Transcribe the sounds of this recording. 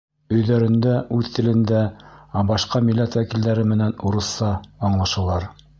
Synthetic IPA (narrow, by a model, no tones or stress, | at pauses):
ɵ̆jðæɾɘ̆nd̪æʔʉðt̪ɘ̆lɘ̆nd̪æbɑʃqɑmilːæt̪wækild̪æɾɘmɘ̆nænuɾɤ̆sɑːɴlˠɑʃɤ̆lˠɑɾ